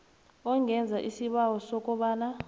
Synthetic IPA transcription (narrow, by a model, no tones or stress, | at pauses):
ɔŋʱɛnd͡zʱaʔisiɓawɔsɔk̬ʼɔɓaːna